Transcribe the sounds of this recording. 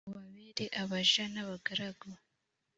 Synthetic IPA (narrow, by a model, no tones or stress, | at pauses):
uβaβiɾiʔaβaʒanaβaɡaɾaɡo